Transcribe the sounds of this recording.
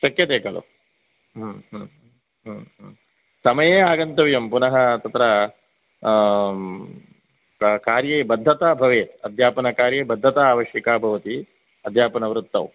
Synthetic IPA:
ʃɐkjɐt̪eːkɐlo̰ | ɦɦ | ɦɦm | sɐmɐjeːaːɡɐnt̪ɐʋjɐmpunɐɦɐt̪ɐt̪ɾɐ | kaːɾjeːbɐd̪ʱːɐt̪aːbʱɐʋeːɐd̪ʱjaːpɐnɐkaːɾjeːbɐd̪ʱːɐt̪aaːʋɐʃjɐkaːbʱɐʋɐt̪i | ɐd̪ʱjaːpɐnɐʋɾut̪ːɐ̰w

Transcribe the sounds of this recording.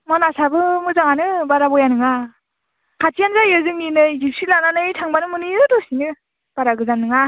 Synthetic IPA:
mɔnasabɯmɯzaŋanɯbaɾabɔjanɯŋa | kʰatijanzajɯzɯŋninɯjɡipsilananɯjtʰaŋbanɯmɯnɯjɯdɔsinɯ | b̥aɾaɡɯzanɯŋa

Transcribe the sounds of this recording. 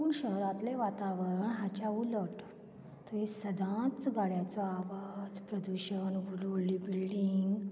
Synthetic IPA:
uːnɕəɦɾãt̪leʋat̪aʋəɾəɳɦat͡ɕauləʈ | t̪əʋisəd̪ʱãt͡sɡaɽjat͡sɔaʋad͡zpɾəd̪uɕənʋululibilɖiŋɡ

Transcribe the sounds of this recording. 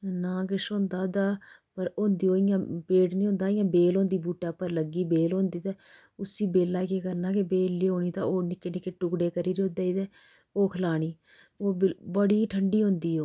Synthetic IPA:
nãːkɪʃõːnd̪aːd̪aːpəɾõːnd̪iːoːɪjãːpeːʈnĩːõːnd̪aːɪjãːbeːlõːnd̪iːbuːʈːaːpəɾləɡiːbeːlõːnd̪iːt̪ɛː | ʊsiːbeːlːaːkeːkəɾnaːkebeːlːiːɦoːniːt̪ã̰ːoːnɪkːeːnɪkeːʈʊɡɽeːkəɾiːɾioːd̪aːiːt̪ɛː | oːkʰəlaːɽ̃iː | oːbbəɽiːʈʰəɳɖiːɦõːnd̪iːɦoː

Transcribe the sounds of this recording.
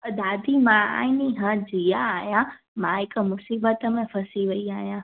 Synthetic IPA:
əd̪aːd̪ʱimãa̰ːɦiniɦãd͡ʑijaːɦijã | mãɦɪk̆mʊsiːbət̪əmẽfɐsiʋɐiaːɦijã

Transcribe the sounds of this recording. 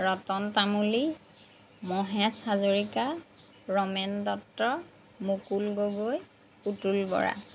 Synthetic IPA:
ɹɔtɔntamuli | mɔɦɛsazoɹika | ɹɔmɛndɔktɔɹ | mukulɡoɡoj | utulbɔ̰ɹa̰

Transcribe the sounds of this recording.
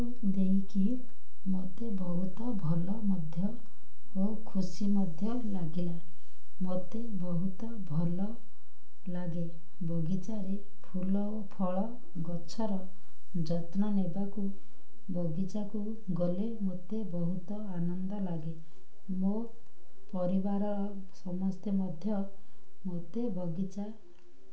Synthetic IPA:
u | d̪eɦiki | mot̪ebɔɦut̪ɔbʱɔlɔmɔd̪ʱjɔ | o | kʰusimɔd̪ʱjɔ | laɡila | mot̪ebɔɦut̪ɔbʱɔlɔ | laɡe | bɔɡit͡ʃaɾe | pʰulɔopʰɔɭɔ | ɡɔt͡ʃʰɔɾɔ | d͡ʒɔt̪nɔnebaku | bʱɔɡit͡ʃaku | ɡɔlemot̪ebɔɦut̪ɔanɔnd̪ɔlaɡe | mo | pɔɾibaɾɔɾɔsɔmɔst̪emɔd̪ʱjɔmot̪ebʱɔɡit͡ʃa

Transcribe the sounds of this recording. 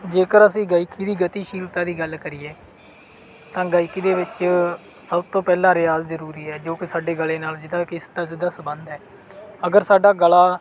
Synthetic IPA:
d͡ʒeːkəɾəsĩːɡaːikʰiːd̪iːɡət̪iːʃiːlt̪aːd̪iːɡəlkəɾiːeː | t̪ãːɡaːikiːd̪eːʋɪt͡ʃ | səbt̪õːpɛːlãːɾɪaːzzəɾuːɾiːɛːd͡ʒoːkɪsaːɖeːɡəleːnaːld͡ʒɪd̪aːkɪst̪aːzɪd̪aːsəbənd̪ɛː | əɡəɾsaːɖaːɡəlaː

